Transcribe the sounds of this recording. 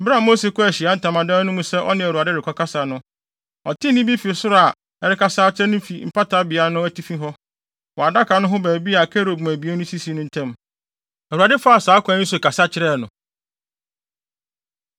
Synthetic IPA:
ba˦˨mo˦se˨kʊ˦æ˨ɕɪ˨a˦n̩˨tã˨mã˨dã˦nʊ̃˦mũ˦sɛ˦ʔɔ̰˦nɪ̃˦˨æ˨ɾu˨a˨dɪ˦ɾɪ˨kʰɔ˦ka˦sa˨nʊ̃˦ | ɔ̰˨tʰɪ̃˦nɪ̃˦bi˦fi˨sʊ˦ɾɔ˦˨a˨ | ɛ˨ɾɪ˦kʰa˦saː˦t͡ɕʰɪ˦ɾɛ˦nʊ̃˦fi˨m̩˨pʰa˦tʰa˦bɪ˨a˨˦nʊ̃˦æ˦tʰi˦fĩ˦ɦɔ˦ | wɔ˨a˨da˦kʰa˨nʊ̃˦ɦʊ̃˦bæ˨bi˦a˨kʰɛ˦ɾo˨bm˨æ̃˨bi˨˦e˦nʊ̃˦si˦si˨˦nʊ̃˦n̩˦tʰɛ̃˦m | æ˨ɾu˨a˨dɪ˦fa˦a˨saː˨˦kʰʷã˨˦nĩ˦so˨ka˨sa˦t͡ɕʰɪ˦ɾɛ˦˨nʊ̃˨

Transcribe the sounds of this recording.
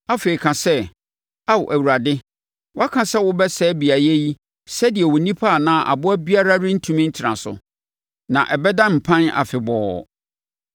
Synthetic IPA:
a˦fe˨i˨kʰã˨sɛ˦ | a˦˨wʔæ˨wu˨ɾa˨dɪ˦ | wʊ˦a˦kʰã˨sɛ˦wʊ˦bɛ˦sɛː˦bi˨a˨jɛ˦ji˦ | sɛ˦dɪ˨ɛ˨wʊ˨nĩ˦pʰa˦˨nã˨ʔa̰˨bʊ˦æ˦bi˦a˦ɾa˦ɾɪ̃˦n̩˦tʰũ˦mĩ˦n̩˦tʰɪ˨ɾã̰˨sʊ̰˨ | nã̰˨ʔɛ˨bɛ˦dã˦m̩˨pʰã˦na̰˨fɪ˨bɔː˨˦˨

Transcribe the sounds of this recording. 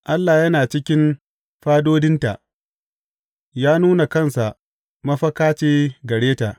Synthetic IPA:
ʔa˦lːa˨jɐ˦naː˨t͡ʃɪ˦kʲɪ˦n | ɸaː˦doː˦dɪ˦nta˨ʔ | jaː˦nuː˦na˨kɐ˦nsa˨ʔ | mɐ˦ɸɐ˦kaː˦t͡ʃeː˦ɡɐ˨ɽeː˦ta˨ʔ

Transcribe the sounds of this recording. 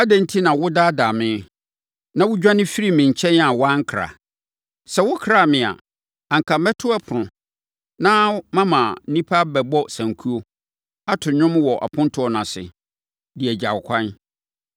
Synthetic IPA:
a˦dæ̃˨n˦tʰi˦nã˨wʊ˦da˦da˨mɪ̃˦ | nã˦wʊ˦d͡ʑᶣã˦nɪ̃˦fi˦ɾi˦mɪ̃˨ɲ˨t͡ɕʰɛ̃˦n˦a˨wã˦ŋ̩˦kʰɾa̰˨ | sɛ˨wʊ˦kʰɾa˨mɪ̃˨a̰˨ | ã˨ŋ̩˨kʰa˨mɛ˦tʰʊ˦a˦pʰʊ˨ʊ̃˨ | nã˦mã˦mã˨n̩˦nĩ˦pʰa˦bɛ˨bɔ˦sã˨ŋkʰu˦o˦ | a˦tʰʊ˨ɲʊ̃˦mwɔ˨ʔa̰˨pʰʊ̃˦n˦tʰʊ˦ɔ˨nã˨sɪ̰˨ | dɪ˨ɛ˨d͡ʑa˨wkʷʰã˦n

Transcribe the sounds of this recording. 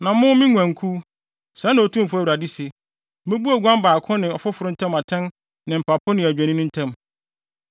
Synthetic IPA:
nã˨mʊ̃˦mĩ˦ŋʷæ̃˨ŋ˨kʰu˦ | sɛ˨˦nã˨o˨tʰũ˦m̩˨fʊ˦æ˦wu˨ɾa˨di˦sɪ˨˦ | mɛ̃˦bu˦a˨ɡʷã˦mbaː˨kʰʊ̃˦nɪ̃˨ɔ˨fʊ˦fʊ˨ɾʊ˦n̩˦tʰã˦ma˨tʰɛ̃˦n | nɪ̃˨m̩˨pʰa˨pʰʊ˦nɪ̃˨æ˨d͡ʑᶣã˨nɪ̃˦nʊ̃˦n̩˦tʰã˦m

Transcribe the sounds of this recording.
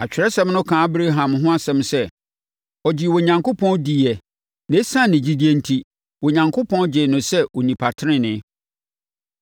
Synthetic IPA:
a˨t͡ɕᶣɪ˨ɾɛ˦sɛ̃˦m˦nʊ̃˦kʰã˨a˦bɾe˦ɦã˨mɦʊ̃˦a˦sɛ̃˦msɛ˦˨ | ɔ˨d͡ʑɪ˨wɔ˨ɲã˨ŋko˦pʰɔ̃˦ndi˨ɛ˨ | nẽ˦sã˦nɪ̃˨d͡ʑi˨di˦e˨n̩˦tʰi˦ | wo˨ɲã˨ŋkʰʊ˦pʰɔ̃˦nd͡ʑɪ˨nʊ̃˨sɛ˦wo˨nĩ˨pʰa˨tʰɪ˦ɾɪ̃˦nɪ̃˦

